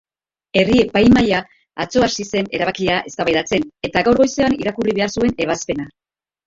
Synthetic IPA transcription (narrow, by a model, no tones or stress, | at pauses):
e̞riepajmaja | at͡so̞asise̞ne̞ɾaβakiaʔe̞st̪aβajðat͡se̞ne̞t̪aɣawɾɣo̞jse̞aniɾakuriβe̞aɾsue̞ne̞β̞aspe̞na